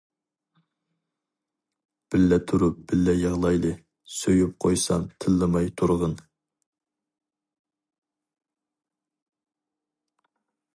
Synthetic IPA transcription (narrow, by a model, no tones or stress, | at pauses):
b̥ɪlːɛt̪ʰuɾup̚b̥ɪlːɛjɑʁlˠɑjlˠɨ | søjyp̚qʰojsɑ̰nt̪ʰɨlːɨmɑjt̪ʰuɾʁən